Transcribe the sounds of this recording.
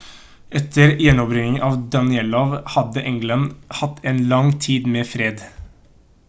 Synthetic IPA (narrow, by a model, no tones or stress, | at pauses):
ʔɛt̪ʰəɾjɛnɔpɾɪŋɪŋʔɑːʋd̪ɑnɪɛloːʋhɑd̪əʔɛŋɡlɑnhɑt̪ːeːnlɑŋt̪ʰiːd̪meːfɾeːd̪